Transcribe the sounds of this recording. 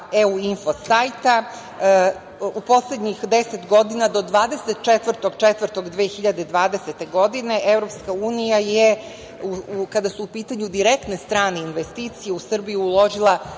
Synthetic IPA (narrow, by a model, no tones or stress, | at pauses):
euinfo̞sajt̪a | upo̞sled̪ɲixd̪eset̪ɡo̞d̪inad̪o̞d̪ʋaːd̪eset̪̚t͡ʃet̪ʋr̩t̪oɡt͡ʃet̪vər̩t̪o̞ɡd̪ʋeːxiʎad̪ed̪ʋaːd̪e̞set̪e̞ɡo̞d̪ine̞ʔevɾo̞pskauːnijaje | uukad̪asuːpiːt̪aɲud̪iɾek̚t̪ne̞st̪ɾaːneinʋest̪iːt̪sije̞usr̩bijuulˠo̞ʒilˠa